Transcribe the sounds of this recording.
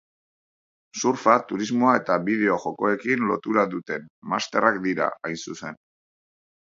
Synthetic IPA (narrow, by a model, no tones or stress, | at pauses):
suɾfat̪uɾizmo̞ae̞t̪aβið̞e̞o̞ʝo̞ko̞e̞kinlo̞̰t̪uɾaðut̪e̞nmast̪e̞rakd̪iɾa̰ajnsuse̞n